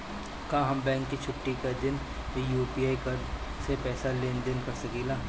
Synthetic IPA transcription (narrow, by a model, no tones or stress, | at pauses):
kãːɦɐmbɛ̃ːŋkːit͡ʃʰʊʈːikad̪ɪn | ʋejuːpiːaːikɐɾsepɛːsaleːnd̪ɪnkɐɾsɐkiːlaː